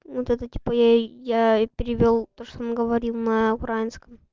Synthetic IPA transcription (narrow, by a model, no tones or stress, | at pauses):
vot̪ɛt̪ətʲi̥pəjajapʲɪɾʲɪvʲolˠt̪oʂt̪oonɡəvɐɾʲilˠnəʊkɾajɪnskəm